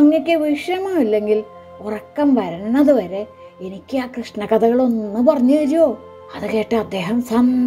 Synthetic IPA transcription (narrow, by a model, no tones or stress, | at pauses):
ɐŋːikʲːɨʋiʂjɐmaːilːe̞ŋɡil | orɐkːɐmʋɐɾɐnːɐðuʋɐɾe̞ | enikʲːɨaːkrɨʂɳɐkɐd̪ɐɣɐɭo̞nːɨpɐrɐɲːɨɐɾijoː | ɐðɨke̞ːʈːɨɐd̪ːe̞ːɦɐmsɐn